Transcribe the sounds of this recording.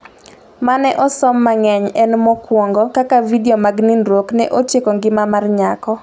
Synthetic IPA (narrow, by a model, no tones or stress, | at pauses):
manɛʔɔsɔmːaŋɛɲɛnmɔkwɔŋɡɔkakavidiomaɡnindɾwoknɛʔotjekɔŋɡɪmamarɲakɔ